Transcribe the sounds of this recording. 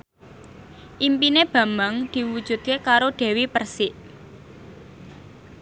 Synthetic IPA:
ʔimpineb̥ä̤mbaŋd̪̥i̤wud̥ʒ̥ṳd̪̥̚kekaɾoɖ̪̥e̤wipərsɪʔ

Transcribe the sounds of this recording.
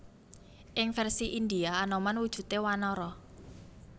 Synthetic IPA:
ʔɪŋfɛrsiʔind̪iaːnɔmanwud̥ʒ̥ṳt̪ewanɔɾɔ

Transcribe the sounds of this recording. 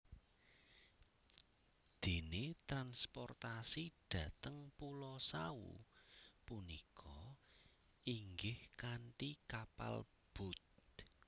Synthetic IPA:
d̪̥e̤net̪ɾanspɔ̰rt̪asid̪̥ä̤t̪əŋpulɔsaṵpunikʰɔ | iŋɡɪhkaɳʈikapa̰l | b̥ʊt̪̚

